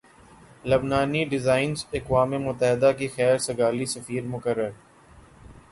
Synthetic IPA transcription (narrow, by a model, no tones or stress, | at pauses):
lɐbnaːniɖɪzaːɪnzɐkwaːmemʊt̪əɦɪd̪akixɛːɾsɐɡaːlisɐfiːɾmʊkəɾːəɾ